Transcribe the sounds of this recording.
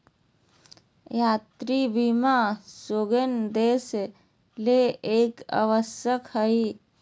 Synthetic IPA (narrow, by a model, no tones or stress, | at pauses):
jaːt̪ɾibimasoɡənd̪eːs | leeːka̰ʋəsjəkhəi